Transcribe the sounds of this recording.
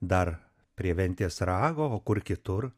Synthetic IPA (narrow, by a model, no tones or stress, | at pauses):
d̪ɐɾ | pʲɾʲiɛʋʲɛnʲt̪ʲiːsɾɑːɡoːoːkʊɾkʲɪt̪ʊr